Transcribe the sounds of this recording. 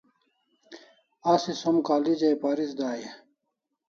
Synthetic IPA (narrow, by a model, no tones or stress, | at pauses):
asisomkaːlid͡ʑɐjpaːɾisd̪aːje